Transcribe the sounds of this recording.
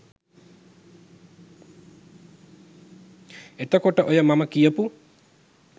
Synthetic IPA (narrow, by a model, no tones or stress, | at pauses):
et̪əkoʈəʔojəmaməkijəpu